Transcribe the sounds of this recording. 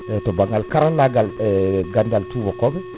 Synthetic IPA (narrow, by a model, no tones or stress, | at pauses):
tɔbaŋɡalkaɾalaɡalɡandaltuvɔkɔmɛ